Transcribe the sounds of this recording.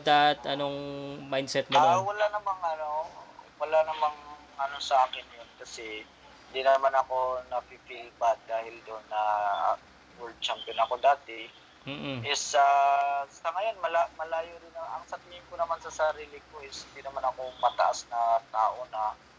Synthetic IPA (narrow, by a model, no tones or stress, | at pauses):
d̪at̪ʔɐnoŋmajd̪sɛt̪̚nɐawɐlanɐmaŋɐnowɐlanɐmaŋ | ʔɐnosɐʔaːkɪnjonkɐsɛ | hɪnd̪inɐmanɐko̞nɐpipilbat̪̚d̪aːhɪld̪onːɐ̰ | wɛld̪̚t͡ʃampjonɐko̞d̪aːt̪ɛ | m̩ːʔ̩ʔɪsasɐŋɐjonmɐlamɐlaːjodɪnɐɐŋsɐt̪ihɪnkonɐmansɐsɐɾiːlɪkoʔɪshɪnd̪inɐmanɐkomɐt̪ɐ̰ʔasnɐt̪a̰ːʔonɐ